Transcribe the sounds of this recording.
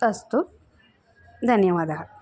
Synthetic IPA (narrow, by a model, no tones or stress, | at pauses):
ɐst̪u | d̪ʱɐnjɐʋaːd̪ʱɐɦɐ